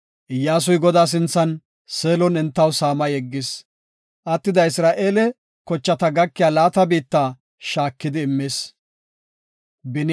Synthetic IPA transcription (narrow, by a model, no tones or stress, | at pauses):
ʔɪjːaːs̬ʊjɡɔd̪aːs̬ɪnt͡sːɐn | seːlɔnɪnt̪ːɐwsaːmɐjɛɡːɪs | ʔɐt̪ːɪd̪ɐɪsɾaːʔe̞ːlɛ | kɔt͡ʃːɐt̪ɐɡɐkːɪjaːlaːt̪ɐbiːt̪ːaː | ʃaːkːɪd̪ɪːmːeːs | bɪn